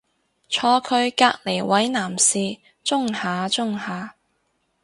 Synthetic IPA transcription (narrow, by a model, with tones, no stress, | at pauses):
t͡ʃʰɔː˧kʰɵ˧ɥkaː˧k̚le˨˩jwɐ˨˥jnaː˨˩msiː˧ | t͡ʃʊ˥ŋhaː˨˧t͡sʊ˥ŋhaː˨˧